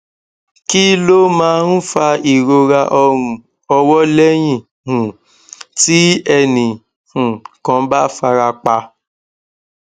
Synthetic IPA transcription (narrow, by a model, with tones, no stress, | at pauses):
ki˦lo˦mãː˦ñ̩˦fa˧i˨ɾo˧ɾa˧ʔɔ˧ɾ̃ũ˨ | ɔ˧wɔ˦lɛ˦j̃ĩ˦˨ | hũ˨ | ti˦ɛ˧nĩ˨ | hũ˨kã˧˦ba˦fa˧ɾa˧k͡pa˧